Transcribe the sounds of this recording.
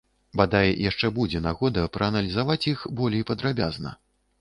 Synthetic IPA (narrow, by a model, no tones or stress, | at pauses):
bad̪ajɛjʔaʂt͡ʂɛbud͡zʲɛnaɣɔd̪ɐpɾɐːnɐlʲizavat͡sʲjixbɔlʲejpɐd̪ɾabʲaznɐ̰